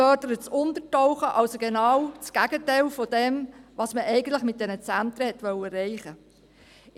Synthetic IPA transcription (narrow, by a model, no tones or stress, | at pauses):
œɾdəɾət͡sʊntətɔʊχəʔɑlsoɡenɑːwt͡sɡ̥æɡ̥ətɛɪlfɔdɛmʋɑsməʔɛɪɡən̩tlɪχmɪt̚d̥ɛnət͡sænt̪ɾəhɛtʋœwəɾɛɪχə